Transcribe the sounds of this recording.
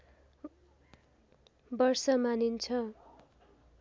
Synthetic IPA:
bʌrsʌmanint͡sʰʌ

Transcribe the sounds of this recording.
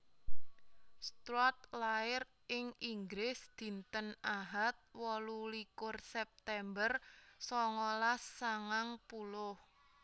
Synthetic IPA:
st̪ɾɔt̪̚laɪr | ɪŋʔiŋɡɾɪsd̪̥i̤nt̪ənaɦat̪̚wɔlulikʊrsɛp̚t̪ɛmbərsɔŋɔlasːaŋaŋpulʊh

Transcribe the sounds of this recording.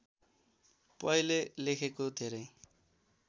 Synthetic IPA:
pʌjlelekʰekod̪ʱeɾʌj

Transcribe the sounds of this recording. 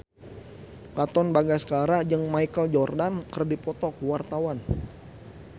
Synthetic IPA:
kat̪ɔnbaɡasə̥kaɾad͡ʒəŋmaikəld͡ʒɔrdankərdipɔt̪ɔkəwart̪awan

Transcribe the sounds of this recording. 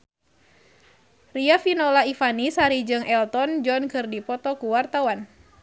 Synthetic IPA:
riafinɔlaifanisaɾid͡ʒɨŋʔɛlt̪ɔnd͡ʒɔnkɨrdipɔt̪ɔkuwart̪awan

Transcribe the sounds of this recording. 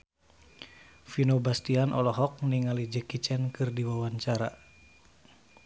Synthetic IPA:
finobast̪ianʔɔlɔɦɔk̚niŋalid͡ʒəkit͡ʃɛnkɨrdiwawaɲt͡ʃaɾa̰

